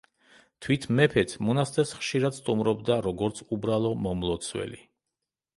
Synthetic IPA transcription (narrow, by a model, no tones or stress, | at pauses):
t̪ʰwit̪ʰmɛpʰɛt̪ʰmɔnast̪ʼɛsχʃiɾad̪st̪ʼumɾɔbd̪aɾɔɡɔɾt̪sʰubɾalˠɔmɔmlˠɔt̪sʰwɛ̰li